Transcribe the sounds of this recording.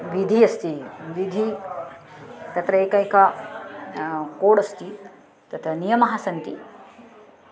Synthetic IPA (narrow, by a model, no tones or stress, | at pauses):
ʋid̪ʱiɐst̪iʋid̪ʱi | t̪ɐt̪ɾɐeːkɐjkɐ | koːɽɐst̪i | t̪ɐt̪ʰɐnijɐmɐɦɐsɐnt̪i